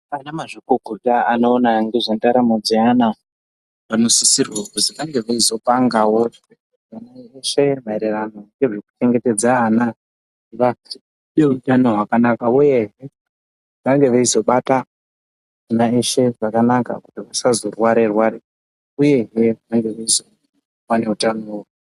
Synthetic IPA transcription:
anamaʐikoɡʱutaano̞ːnaŋɡeʐandaɾamad͡ziana | pano̞sisirwakuziʋaŋɡe̞ʋaizo̞paŋɡawo̞ | anaeʃemaeɾerano̞ŋɡeʐeku̥t͡ʃe̞ŋɡe̞te̞d͡zaːna | iʋa | neutano̞ɦwakanakauje̞ɦe | ʋaŋɡe̞ʋeizo̞ɓata | ʐinaeʃe̞ʐakanaka̰kutiʋasazorwaɾerwaɾe | uje̞ɦeʋaŋɡe̞ʋeizo̞ | wane̞utanoo

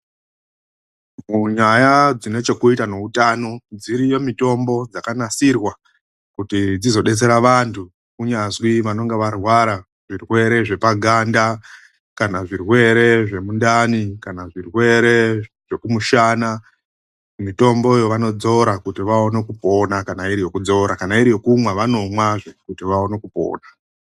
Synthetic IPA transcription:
muɲajad͡zine̞t͡ʃe̞kuitane̞utano̞d͡ziɾijo̞mito̞mbo̞d͡zakanasirwa | kutid͡zizo̞ɗe̞t͡se̞ɾaʋantʰu | kuɲazwiʋano̞ŋɡeʋarwaɾa | ʐ̥irwe̞ɾe̞ʐe̞paɡʱanda | kanaʐirwe̞ɾe̞ʐe̞mundanikanaʐirwe̞ɾe̞ʐ̥e̞kumuʃana | mito̞mbo̞ijoʋano̞d͡zo̞ɾakutiʋao̞ne̞kupo̞nakanaiɾijo̞kud͡zo̞ɾakanaiɾijo̞kumwaʋano̞mwaʐe̞kutiʋaone̞kupo̞̰ːna

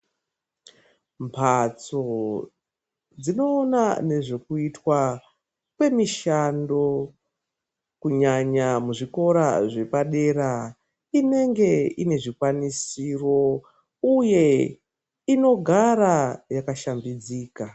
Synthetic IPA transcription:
mpʰat͡so̞ | d͡zino̞ːnane̞ʐekuitwa | kwe̞miʃando̞ | kuɲaɲamuʐiko̞ɾaʐe̞paɗe̞ɾa | ine̞ŋɡe̞ine̞ʐikwanisiro̞ | uje̞ | ino̞ɡʱaɾajakaʃambid͡ziːka

